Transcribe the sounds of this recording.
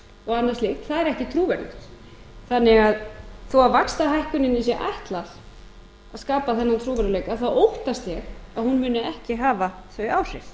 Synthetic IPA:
ɔɣanːaɾst̪lɪxt̪θaðɛɾɛhcɪt̪ʰɾuːvɛɾɪ | θanːɪɣaðθuwavakst̪aɦajhkʏnɪnɪs̬jɛʔa̰jht̪laɾ̥ | aðskaːpaθɛnːant̪ʰɾuːvɛɾʏleːjkaðθawowht̪ast̪jɛxaðhunmʏːnʏɛhcɪɦaːvaθvœɥaːwsɪ̰θ

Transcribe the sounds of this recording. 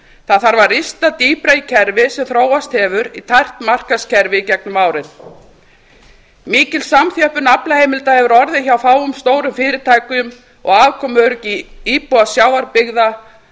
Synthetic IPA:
θaθaɾvaɾist̪at̪iːpɾaicʰɛɾvɪsɛmθɾoːwast̪hɛvʏɾit̪ʰajr̥t̪mar̥kascʰɛɾvɪicɛk̚nʏmaːwɾɪn | miːcɪlsamθjœhpʏnaplahejmɪlt̪ahɛvʏɾɔɾðɪçawfaːwʏmst̪oːwɾʏmfɪːɾɪt̪ʰaːjkʏʏm | ɔ̰ɣaːvkʰɔmœɾʏciiːpɔasjaːwaɾpɪɣða

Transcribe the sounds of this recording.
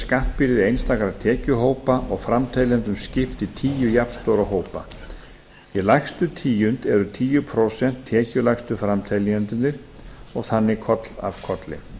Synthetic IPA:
skaht̪̚pɪɾɪðejnst̪aːkaɾat̪ʰɛːcʏɦoːwpaʔɔɣfɾamt̪ʰajliant̪ʏmscɪft̪it̪ʰiːjʏjapst̪owɾaɦoːwpa | ilajxst̪ʏt̪ʰiːjʏnt̪ɛɾʏt̪ʰiːjʏpʰɾowsɛn̥t̪ʰːɛːcʏlajxst̪ʏfɾamt̪ʰaliant̪ʏnːɪɾ̥ɔɣθanːɪkʰɔt̪la̰v̥kʰɔt̪lɪ̰

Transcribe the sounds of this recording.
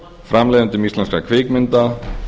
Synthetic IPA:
fɾamlɛːðʏnt̪ʏmislɛnskakʰvɪːkmɪnt̪a

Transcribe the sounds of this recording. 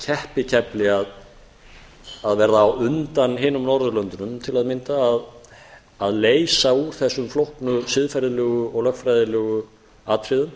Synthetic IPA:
cʰɛhpɪcʰɛplɪað | aðvɛɾðaːwʏnt̪anɦɪːnʏmnɔɾðʏlœnt̪ʏnʏmt̪ʰɪlaðmɪnt̪aːð | aðleːjsauθɛsːʏmflowhknʏsɪðfajɾðɪlœːɣʏɔɣlœxt̪fɾajðɪlœːɣʏ | aːt̪fɾɪðʏm

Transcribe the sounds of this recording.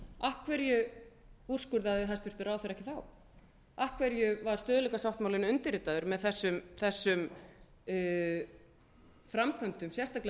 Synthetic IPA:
ahkʰvɛɾjʏ | ur̥skʏɾðaðɪɦast̪vɪɾ̥t̪ʏɾaːwθeɛɾɛhcɪθaw | ahkʰvɛɾjʏvaɾ̥st̪œːðʏlɛkasawht̪mawlɪnʏnt̪ɪɾɪt̪aðʏɾmɛðθɛsːʏmθɛsːʏm | fɾamkʰvœmt̪ʏmsjɛrst̪akl

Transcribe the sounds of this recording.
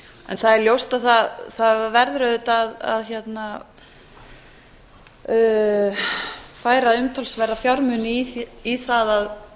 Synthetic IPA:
ɛ̰nθaðɛɾljowst̪aðθaðθaðvɛɾðɾœðʏt̪aða̰ðçjɛt̪na | faːjɾaʏmt̪ʰalsvɛrːafjawɾmʏnɪiθaðað

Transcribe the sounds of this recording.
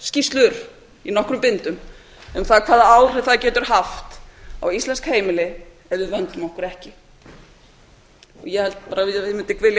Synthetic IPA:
scist̪lʏɾ | inɔhkɾʏmpɪnt̪ʏm | ʏmθaðkʰvaːðaaːwr̥ɪθaðcɛːt̪ʏɾ̥ɦaft̪a̰wist̪lɛnskheːjmɪlɪ | ɛðɪvœnt̪ʏmɔhkʏɾɛhcɪ | ɔ̰ɣjɛhɛlt̪paːɾavɪðemɪnt̪ɪkvɪlja

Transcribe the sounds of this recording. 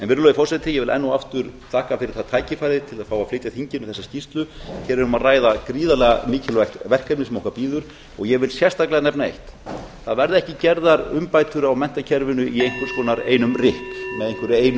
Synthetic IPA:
ɛnvɪɾʏlɔɪfɔrsɛt̪ɪjɛɣvɪlʔɛ̰nːuaft̪ʏɾt̪ʰaːhkafɪɾɪɾ̥θaðt̪ʰaːjcɪfajɾðɪt̪ʰɪlaðfaːwaflɪːjt̪aθiɲcɪnʏθɛsːascist̪lʏçɛɾɛɾʏmaðraːjðakɾiːðalɛɣamiːcʰɪlvajxt̪vɛr̥kaɾmɪsɛmɔhkaɾpiːðʏɾ̥ | ɔɣjɛɣvɪlsjɛst̪aklɛɣanɛpnaejht̪θaðvɛɾðɛhcɪcɛɾðaɾʏmpaːjt̪ʏɾawmɛn̥t̪acʰɛɾvɪnʏʔiejŋ̥kʏɾ̥skʰɔːnaɾḛːjnʏmrɪhkmɛðejŋkʏɾeːjn

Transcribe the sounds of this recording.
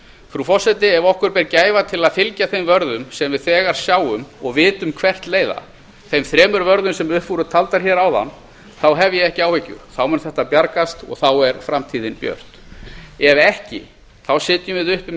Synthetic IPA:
fɾufɔr̥sɛjt̪ɪɛvɔhkʏɾpɛɾcaːjvat̪ʰɪlaðfɪlcaθejmvœɾðʏmsɛmvɪðθɛːɣaɾ̥sjaːwʏmɔɣvɪːt̪ʏmkʰvɛr̥t̪leːjða̰ | θejmθɾɛːmʏɾvœɾðʏmsɛmʏhpvuɾʏt̪ʰalt̪aɾ̥çɛːɾawða̰n | θawɦɛvjɛɛhcɪaːwhɛcʏ̰ɾ̥θawmɛnθɛht̪apjaɾkast̪ɔ̰ɣθawɛɾ̥fɾamt̪ʰiːðɪnpjœ̰r̥t̪ | ɛvɛhcɪ̰ | θawsɪːt̪jʏvɪðʏhpɪ

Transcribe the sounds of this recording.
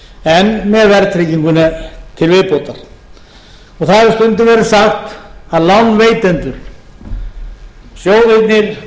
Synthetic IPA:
ɛnmɛðvɛɾt̪ʰɾiːciŋkʏnat̪ʰɪlvɪpowt̪aɾ̥ | ɔɣθaðɪst̪ʏnt̪ɪvɛːɾɪsaxt̪aðlawnveːjt̪ɛnt̪ʏɾ̥ | sjoːwðejt̪nɪɾ̥

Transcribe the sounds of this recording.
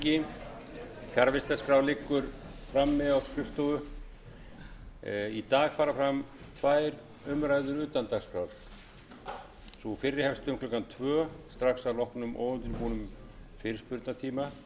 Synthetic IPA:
ɪ | fjaɾvɪst̪askɾawlɪkːʏɾfɾamːɛðawskɾʏft̪owʏ | it̪aːɣfaːɾafɾam | t̪ʰvaːjɾ | ʏmɾaːjðʏɾʏːt̪ant̪aɣskɾawɾ̥ | sufɪrːɪhɛfst̪ʏʏmkʰlɔkant̪ʰvœːst̪ɾaxsawlɔhknʏmʔo̰ːwʏnt̪ɪnpuːnʏm | fɪɾɪ̥spʏɾt̪nat̪ʰiːma

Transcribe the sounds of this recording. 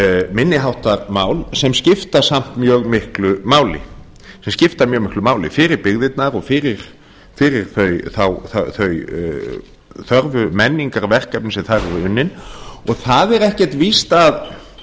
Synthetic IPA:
mɪnːɪɦawht̪aɾmaːwlsɛmscɪft̪ḁsam̥t̪mjœːɣmɪhklʏmaːwlɪ̰ | sɛmscɪft̪aɾmjœːɣmɪhklʏmaːwlɪfɪɾɪɾpɪɣðɪt̪naɾɔɣfɪːɾɪɾ̥ | fɪːɾɪɾ̥θœɥθawθaθœj | θœɾvʏmɛnːiŋkaɾvɛr̥kap̚nɪsɛθaɾɾɪʏnːɪnɔɣθaðɛɾɛhcɛ̥t̪vist̪að

